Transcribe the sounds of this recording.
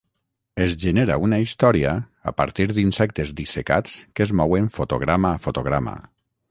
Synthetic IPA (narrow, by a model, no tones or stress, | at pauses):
ezʒeneɾa̰unaist̪ɔɾia̰ː | pa̰ɾt̪iɾðinsɛk̚t̪ezd̪iseka̰t͡skəzmɔweɱfot̪oɣɾamafot̪oɣ̞ɾama̰